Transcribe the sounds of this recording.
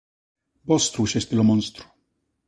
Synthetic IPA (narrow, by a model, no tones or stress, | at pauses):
bɔst̪ɾuɕɛsʲt̪ilɔmɔnst̪ɾu̥